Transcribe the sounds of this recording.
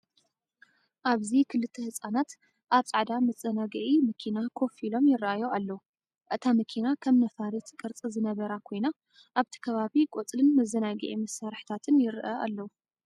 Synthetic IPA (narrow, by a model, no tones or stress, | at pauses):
ʔaβzikʰɨlɨt̪ʰːɐhɨsʼanat̪ | ʔaβt͡sʼaʕd̪amɐt͡sʼːɐnaɡɐʕimɐkʰinakʰo̞filo̞mjɪrʔajoalːɐwu | ʔɨt̪ʰamɐkʰinakʰɐmnɐfaɾit̪kʼɨɾt͡sʼɨzɨnɐβɐɾakʰo̞jna | ʔaβt̪ʰi̥kʰɐβaβikʼot͡sʼlɨnmɐzɐnaɡɐ̰ʔimɐsaɾħt̪ʰat̪ʰɨnjɪɾʔɐʔa̰lːɐwu